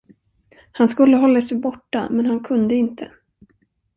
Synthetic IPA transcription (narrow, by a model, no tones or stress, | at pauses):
hanskɵlːəɦɔlːasɛjbɔʈːa̰mɛnɦankʰɵnd̪əɪnt̪ʰə